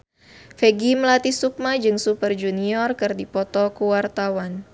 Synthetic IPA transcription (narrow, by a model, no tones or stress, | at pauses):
feɡiməlat̪isuk̚mad͡ʒɨŋsupərd͡ʒuniɔrkɨrdipɔt̪ɔkuwart̪awan